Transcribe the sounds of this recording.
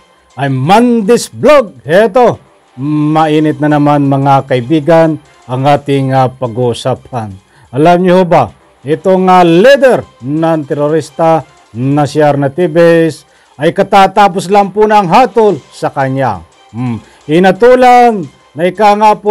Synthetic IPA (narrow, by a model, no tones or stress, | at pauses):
ʔɐjmand̪ɪsbloɡ̚hɛt̪o | mɐʔiːnɪt̪̚nɐnɐmanmɐŋakɐɪbiːɡan | ɐŋaːt̪ɪŋːapɐɡuʊsaːp̚an | ɐlamɲʊhoba | ʔɛt̪oŋalid̪ɛɾnɐŋt̪ɛɾoɾist̪a | nɐsjaɾnɐt̪ibɛs | ʔɐjkɐt̪aːt̪apʊslampunaːŋɦaːt̪ʊlsɐkɐɲa̰ | m | hɪnɐt̪uːlanː | ɐɪkaŋapo